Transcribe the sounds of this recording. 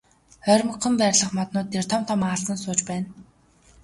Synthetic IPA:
χœɾʲmə̆qːə̆mpæːɾʲɮə̆χmɔt̪nʊːt̪ːert̪ʰɔm̥t̪ʰɔmaɮsə̆nsʊːt͡ɕpæːn

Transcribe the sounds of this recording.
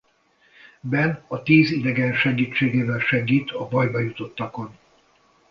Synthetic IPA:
bɛnɒt̪iːzid̪ɛɡɛnʃɛɡiːt͡ʃːeːɡeːvɛlʃɛɡiːt̪ʰɒbɒjbɒjut̪o̞t̪ːɒko̞n

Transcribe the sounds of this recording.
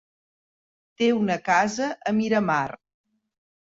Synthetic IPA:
t̪eunəkazəʔəmiɾəmar

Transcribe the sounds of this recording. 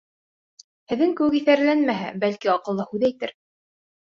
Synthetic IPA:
hɘ̆ðɘŋkɘ̆wɘkiθæɾlænmæɦæ̰bælkiɑqɤ̆lˠːɤhʉðæjt̪ɘɾ

